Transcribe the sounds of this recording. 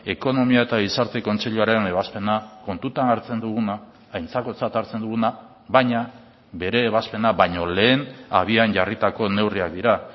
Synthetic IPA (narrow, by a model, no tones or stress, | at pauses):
e̞ko̞no̞miae̞t̪aɣ̞isaɾt̪e̞ko̞nt͡se̞ʎuaɾe̞ne̞βaspe̞nako̞nt̪ut̪anaɾt͡se̞nd̪uɣ̞unaː | jnt͡sako̞t͡sat̪aɾt͡se̞nd̪uɣ̞una | βajɲa | be̞ɾe̞ːβaspe̞naβajɲo̞le̞ːna̰βianɟarit̪ako̞ne̞wriak̚d̪iɾa